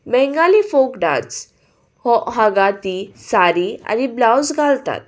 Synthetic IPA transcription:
bɛŋɡalifokɖa̰t͡s | hɔɦaɡat̪isaɾia̰niblawsɡʱalt̪a̰t̪̚

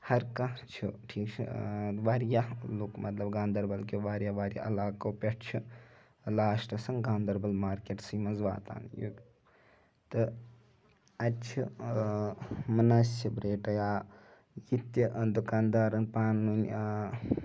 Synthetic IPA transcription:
hɐɾkaɾt͡ʃʰuʈʰiːkt͡ʃʰḭʋaɾjaluːkmɐt̪lɐbɡaːnd̪ɐɾbɐlkʲuʋaːɾjaʋaːɾja̰ʔɐlaːkowpʲɐʈt͡ʃʰu | laːsʈɐsɐŋɡaːnd̪ɐɾbɐlmaːɾkeʈsimɐnzʋa̰ːt̪a̰ːnjṵ | t̪ɨ | ɐt͡ʃʰi | mɐnɐsɐbɾeːʈɐjaː | jit̪ːjiʔənd̪ukaːnd̪aːɾɐnpaːnːunʲ

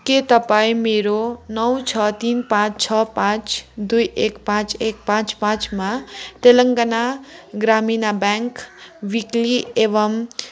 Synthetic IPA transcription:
ket̪ʌpaĩmeɾonʌwt͡sʰʌt̪inpãt͡st͡ʃʰʌpãt͡sd̪ujekpãt͡sek̚pãt͡spãt͡smaʈelʌŋɡanaɡɾaminabaŋkwikliebʌm

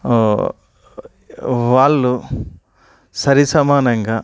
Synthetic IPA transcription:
ʋaːɭːu | sɐɾisɐmaːnɐŋɡaː

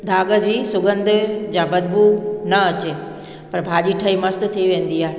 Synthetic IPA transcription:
d̪ʱaːɡəd͡ʑiːsʊɡə̃nd̪ʱʊ̆d͡ʑãːbɐd̪̚bʱuːknɐɐt͡ɕe | pɐɾbʱaːʄiːʈʰɐimɐst̪̆t̪ʰiʋẽːn̆d̪iaːɦe

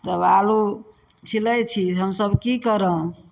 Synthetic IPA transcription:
t̪əbalu | t͡ʃʰilət͡ʃʰiɦəmsəbkikəɾə̃

